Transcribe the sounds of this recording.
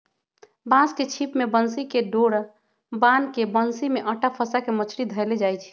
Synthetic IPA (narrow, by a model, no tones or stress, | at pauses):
bãsket͡ʃʰipmebənsikeɖoɽ | bankebənsimeʔəʈapʰəsakemət͡ʃʰɾid̪ʱəeled͡ʒajt͡ʃʰ